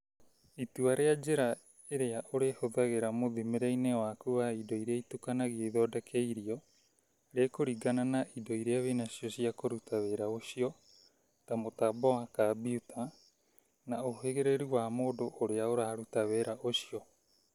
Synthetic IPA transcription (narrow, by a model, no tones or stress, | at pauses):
ituaɾead͡ʒeɾa | eɾeaʔoɾehoðaɡeɾamoðimeɾejneoakuβaido̞jɾeaitukanaɡieðodakʰejɾio | ɾekoɾiɡananaido̞jɾeaβenasiosiakoɾutʰaβeɾaosio | tamotaboakabiutʰa | naʔoɦeɡeɾeɾuβaːmodoʔːɾeaoɾaːɾutaβeɾaʔosio